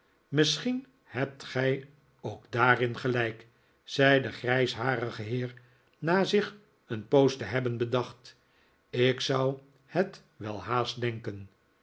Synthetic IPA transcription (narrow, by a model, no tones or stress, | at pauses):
mɪsχin | hɛp̚tχɛj | owɡdaːrɪnχəlɛjk | z̥ɛjdəχrɛjsɦaːɾəχəɦɪːɹ | naːzɪχ | ənpowstəɦɛbənbədɑχt | ɪksʌw | hət | ʋɛlˠhaːst̚dɛŋkən